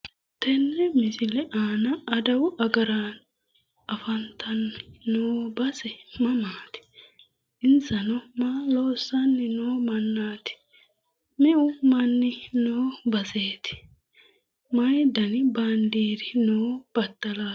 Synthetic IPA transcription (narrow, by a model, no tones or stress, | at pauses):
t̪ɛnːɛmɪsɪlɛʔaːnɐɐd̪ɐwʊʔɐɡɐɾaːn | ʔɐfɐnt̪ʰɐnnoːbɐsɛmɐmaːt̪ɪ̥ | ʔɪnsɐnɔmaːloːsːɐnːɪnoːmɐnːaːt̪ɪ̥ | mɛʔʊmɐnːɪnoːbɐze̞ːt̪ɪ̥ | mɐjd̪ɐnɪbɐnd̪iːd̪ɪnoːb̥ɐt̪ːɐlaː